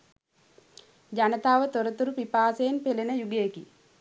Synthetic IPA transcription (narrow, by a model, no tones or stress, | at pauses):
d͡ʒanət̪aːʋət̪oɾət̪uɾupipaːsejenpelenəjuɡejeki